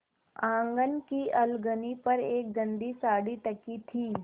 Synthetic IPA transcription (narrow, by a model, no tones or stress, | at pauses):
ãːŋɡənkiɐlɡənipɐɾeːk̚ɡə̃nd̪isaːɽit̪ɐkit̪ʰiː